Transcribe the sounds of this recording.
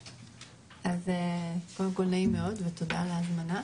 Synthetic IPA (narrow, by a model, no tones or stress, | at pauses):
azekoldemko̞lnaimeo̞dvet̪o̞daleazmana